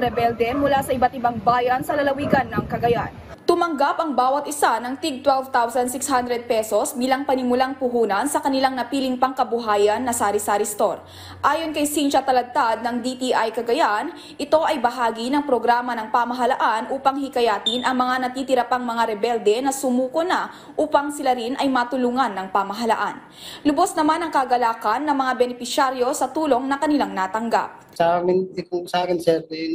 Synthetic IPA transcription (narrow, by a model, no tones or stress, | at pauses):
ɾɛbɛld̪ɛmʊlasɐʔɪbat̪ɪbaŋbaːjɐnsɐlɐlɐwiɡɐnːɐŋkɐɡɐjan | t̪ʊmɐŋɡapɐŋbaːwɐt̪ʔɪsanɐŋt̪iɡ̚t̪wɛlvt̪awsɐnsɪkshand̪ɾɛd̪̚pɛso̞sbilaŋpɐnɪmʊlaŋpʊɦuːnɐnsɐkɐnɪlaŋnɐpiːlɪŋpɐŋkɐbʊɦaːjɐnːɐsaɾɪsaɾɪst̪o̞̰ɾ | ʔaːjonkɐjsinʃɐt̪ɐlɐɡ̚t̪ad̪̚nɐŋd̪it̪iʔajkɐɡɐjan | ʔɪt̪o̞ʔɐjbɐɦaːɡinɐŋpɾo̞ɡɾaːmɐnɐŋpamɐɦɐlaʔanʔuːpɐŋhikɐjaːt̪inʔɐŋmɐŋanɐt̪iːt̪ɪɾɐpaŋmɐŋaɾɛbɛld̪ɛnɐsʊmuːkonɐ | ʔuːpɐŋsɪlaɾinʔɐjmaːt̪ʊluːŋɐnːɐŋpamɐɦɐlaʔan | lʊbo̞snɐmanɐŋkɐɡɐlaːkɐnːɐŋmɐŋabɛnɪpɪʃaɾjo̞sɐt̪uːlo̞ŋnɐkɐnɪlaŋnaːt̪ɐŋɡa̰p̚saamɪnɪkʊsaːkɪnsɛɾ